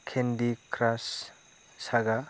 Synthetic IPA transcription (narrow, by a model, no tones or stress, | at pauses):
kʰendikɾasː | aɡa